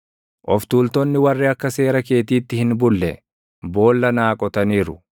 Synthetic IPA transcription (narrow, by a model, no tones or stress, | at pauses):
ʔɔft̪uːlt̪ɔnːɪwɐrːɪɐkːɐse̞ːɾɐke̞ːt̪iːt̪ːɪhɪnbʊlːɛ | bo̞ːlːɐnaːkʼɔt̪ɐniːɾʊ